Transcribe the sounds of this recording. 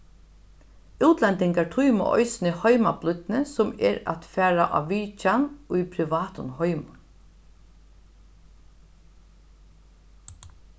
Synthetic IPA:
uːt̪lɛnt̪ɪŋkaʈʰujmʊ̰ʔɔ̰jsɪnəhɔʏmablʏt̪nəsʊmɛɾa̰t̪fæːɹaʔa̰ʋiːt͡ʃanʊjpʰɾɪʋaːt̪ʊnhɔʏmʊn

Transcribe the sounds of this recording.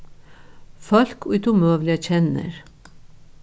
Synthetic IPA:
fɔlkʰʉt̪ʊmøːʋlɪəc͡çɛnə̰ɾ

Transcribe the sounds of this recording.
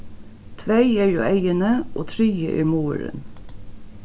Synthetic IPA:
t̪ʰʋæɪeːɹjṵːʔæɪənəʔoːt̪ʰɾyːəʔḭːmuːəɾə̰n

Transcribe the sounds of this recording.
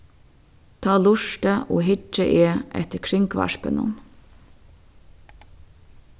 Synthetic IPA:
t̪ʰɑːlʊʃt̪əʔoːɦɪd͡ʒəʔeːʔɛ̰t̪əɾkʰɾɪŋkʋɑ̰ʃpə̰nʊ̰n

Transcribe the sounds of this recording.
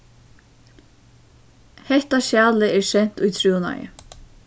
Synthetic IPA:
hɛht̪aʃjaːlɪɛɹʃɛn̥t̪ujt̪ʰɾuːʊna̰jɪ̰

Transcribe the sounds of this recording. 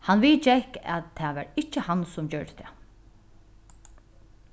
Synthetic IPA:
hanʋiːt͡ʃɛhka̰ðt̪ʰːɛʋaɹɪt͡ʃːəhansʊmd͡ʑœɹɖə̥t̪ʰæ

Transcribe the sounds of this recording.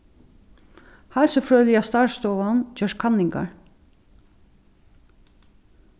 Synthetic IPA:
halsɔfɹøːlɪast̪ɑːɹst̪ɔːʋand͡ʒœʃkʰanːɪŋka̰ɹ

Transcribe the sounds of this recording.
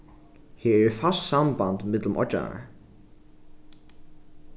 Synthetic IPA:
hɪːɛɛfassambant̪mɪt̪lʊmʔɔ̰t͡ʃːa̰na̰ɹ

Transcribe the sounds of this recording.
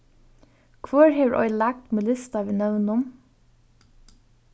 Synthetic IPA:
kʰʋɔɹheːʋɹʔɔ̰ʏlæk̚t̪melɪst̪ɑʋiːnœʋnʊm

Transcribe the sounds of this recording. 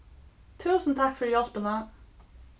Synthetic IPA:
t̪ʰʉːsn̩t̪ʰɑkfɔɾjɑlpənə

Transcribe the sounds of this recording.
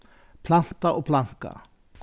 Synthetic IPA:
pʰlan̥t̪aʔɔɣpʰlan̥ka̰

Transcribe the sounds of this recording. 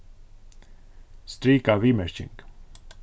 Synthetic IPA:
st̪ɾikavimɛɾt͡ʃḭ̃ŋk

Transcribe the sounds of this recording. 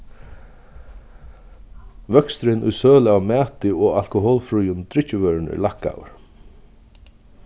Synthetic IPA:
vœkst̪ɾɪnʔʊ̰jsøːlɪawmɛːt̪ɪɔal̥kʊɦoːlfɾujʊnt̪ɾɪcːɪvœɾnɪ̰lahkːa̰ːw̰ɹ

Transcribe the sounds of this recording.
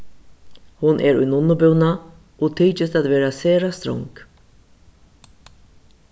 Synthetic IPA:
hʊnʔɛɾʊ̰jnʊnʊbʏwna | ɔɣt̪ʰiːt͡ʃɪst̪at̪veːɾaseːɾast̪ɾɔ̰ŋk

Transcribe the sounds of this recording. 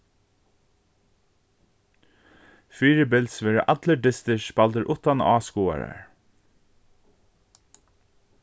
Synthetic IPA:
fiːɹɪbɪlsʋɛːɹɪʔat̪ləɖɪst̪ɪʃb̥alt̪əɹʔʊht̪anaːskuːa̰ɹa̰ɹ

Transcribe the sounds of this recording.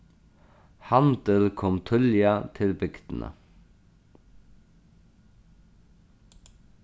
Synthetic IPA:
hɑnd̪̥əlkʰɔmt̪ʰœljɑt̪ʰɪlbʏɡd̪̥n̩ə̰

